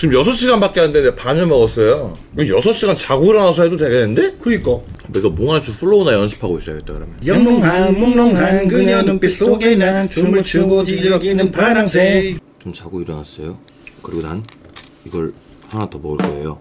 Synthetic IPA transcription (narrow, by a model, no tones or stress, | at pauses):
ɯmjʌsʰʌɕ͈ʰiɡanbak͈eɦanndendepaɲʌmʌɡʌs͈ʌjo | kjʌsʰʌɕ͈iɡant͡ɕaɡuiɾʌnas̬ʰʌɦedoteɡeneɯnde̞kɯɾik͈ʌiɡʌmoŋaɭsʰupʰuɭːounajʌnsʰɯ̥pʰaɡois͈ʌjo̰ɡet͈̚akɯɾʌmjʌnmŋmoŋnʌŋakɯɲʌeoɡenat͡ɕumut͡ɕɯɡod͡ʑid͡ʑiʌɡinːɯnpaɾaŋsʰet͡ɕomt͡ɕaɡuiɾʌnas͈ʌjo | kɯɾiɡoda̰n | iɡʌɭhanatʌbʌɡɯɭk͈ʌḛjo̰